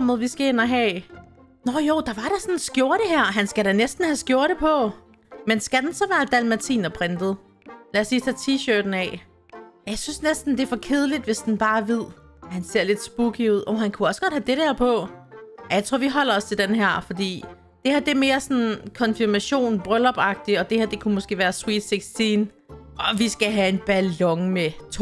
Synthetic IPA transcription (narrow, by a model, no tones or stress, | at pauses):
m̰ð̩ˠʋisɡ̥æenɐɦɛ̰ː | nɒjoʊ̰d̥ɑ̈ʋɑ̈ɾ̥ɑsɒnsɡ̥jo̝ɐ̰ɾ̥əɦæɐ̰ɦænsɡ̥æɾænesd̥n̩hæsɡ̥jo̝ɐɾ̥epʰɒ̽ | mensɡ̥æd̥ensɒ̽ʋæːɐd̥ælmæt͡sʰḭːnɐpʰʁend̥ð̩ˠ | lææsiːt͡sʰæt͡sʰiːɕøːd̥n̩ɛ̰ | jɑɪsynsnesd̥n̩d̥e̝ɐfɒ̽kʰe̝ð̞ˠəlid̥ʋe̝sd̥enb̥ɑ̈ːʋið̞̰ˠ | hænse̝ɐ̰le̝d̥sb̥uɡ̥iuð̞̰ˠʔɒɦænkʰuɒ̽sə̥ɡ̥ɒ̽d̥hæd̥e̝ɾ̥æɐ̰pʰɒ̽ | jaɪt͡sʰʁo̝ɐ̰ʋiɦɒ̽l̰ɐɒ̽st͡sʰe̝ld̥enɦæɐ̰fɒ̽d̥ḭː | d̥e̝hæɐd̥e̝me̝ːɐsɒ̽nn̩kʰɒ̽nfiɐmæɕo̝̰ːnb̥ʁœlɒb̥ɑ̈ɡ̥̚d̥iɒ̽d̥e̝hæɐ̰d̥e̝kʰumosɡ̥e̝̰ːʋæːɐswiːd̥seɡ̥sd̥iːn | ɒ̽ʋisɡ̥æɦæe̝nb̥ælɒ̽ŋmet͡sʰ